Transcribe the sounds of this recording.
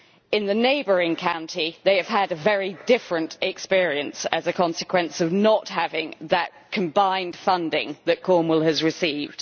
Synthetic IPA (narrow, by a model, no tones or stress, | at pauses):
ɪ̃nðəneɪbəɹɪ̃ŋkʰãʊ̃ntʰiðeɪɨv̥ədəvɛɹidɪfɹə̃ntʰɛkspɪəɹiə̃nsəzəkʰɒ̃nsɪkʰw̥ə̃nsəvnəthavɪ̃ŋðəʔ̚kʰə̃mbãɪ̃nd̥fʌ̃ndɪ̰̃ŋðəʔ̚kʰɔːmwəlˠəzɹɪsiːvd̥